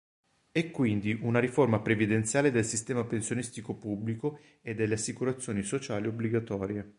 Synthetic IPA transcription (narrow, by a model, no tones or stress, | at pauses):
ɛkːwind̪iʔunaɾiformapɾevid̪ent̪sjaːled̪elsist̪ɛːmapensjonist̪ikopubːliko | ed̪ːelːeasːikuɾat̪sːjoːnisot͡ʃaːliobliɡat̪ɔːɾje